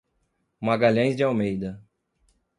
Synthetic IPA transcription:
maɡaʎɐ̃j̃zd͡ʒɪawmejd̪ɐ

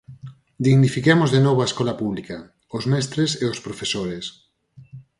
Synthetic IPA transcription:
d̪iɣnifikemozðenoβoaeskɔlapuβlika | ozmɛst̪ɾeseospɾofesoɾes

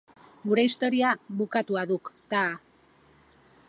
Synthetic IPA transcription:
ɡuɾe̞ist̪o̞ɾiaβukat̪uaðukt̪a

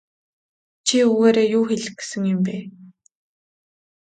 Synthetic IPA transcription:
t͡ɕʰiuɣeːɾeːjʊːxeɮɘ̆xɡe̥sɘ̆ŋjʊ̆mpeː

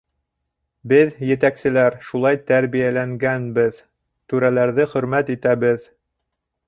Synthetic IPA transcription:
bɘðjɘ̆t̪æksɘ̆læɾʃulˠɑjt̪æɾβijælæŋɡænbɘð | t̪ʉɾælæɾðɘχɵ̆ɾmæt̪it̪æβɘð

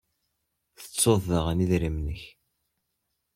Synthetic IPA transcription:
θə̥t͡sːoðəʁæniðɾimnəç

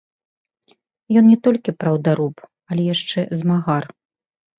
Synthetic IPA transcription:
jɔnnʲɛt̪ɔlʲkʲipɾɐwd̪aɾup | ɐlʲɛjaʂt͡ʂɛzmaɣar

